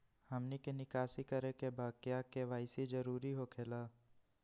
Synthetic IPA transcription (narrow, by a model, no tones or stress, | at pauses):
hɐmnikenɪkaːsikəɾekebaːkjakeʋaːɪsizd͡ʒɐɾuːɾiɦokʰeːlaː